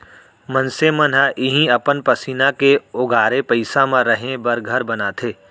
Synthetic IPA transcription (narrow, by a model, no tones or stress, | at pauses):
mə̃nsemənɦaʔɪɦĩɐpənpəsiːnakeʊɡaːɾepəɪsamãɾɐɦẽbɐɾɡʱɐɾbɐnat̪ʰeː